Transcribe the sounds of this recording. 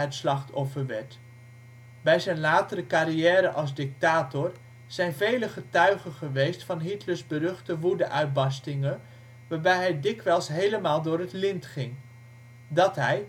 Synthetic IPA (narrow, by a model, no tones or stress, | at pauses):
ətslɑχtɔfəɹʋɛɹt | bɛjzɛjnlaːtəɾəkaɾijɛːɾəʔɑlˠzdɪk̚taːtʊɹ | z̥ɛjnvejləχətœɥχəχəʋejstfɑnɦitləɹzbərɵχtəʋudəʔœɥt̚bɑstɪŋən | ʋaːɹbɛjɦɛjdɪkʋɛlˠsɦejləmaːlˠdʊːɾɦətlɪntχɪŋ | dɑtɦɛj